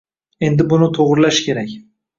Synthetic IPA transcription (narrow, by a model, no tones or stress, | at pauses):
e̞nd̪ɪbʊnɪt̪ʰoʁɾɪlaʃkʲʰe̞ɾakʲ